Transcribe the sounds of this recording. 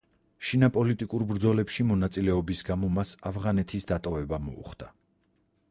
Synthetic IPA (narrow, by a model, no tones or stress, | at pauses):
ʃinapʼɔlit̪ʼikʼuɾbɾd̪zɔlɛpʃimɔnat̪sʼilɛɔbisɡamɔmasafʁanɛt̪ʰisd̪at̪ʼɔvɛbamɔ̰ṵχd̪a